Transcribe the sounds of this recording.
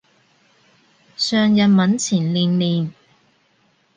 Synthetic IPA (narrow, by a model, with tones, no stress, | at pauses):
sœː˨˧ŋjɐ˨n̚mɐ˨˥nt͡sʰiː˨˩nliː˨nliː˨n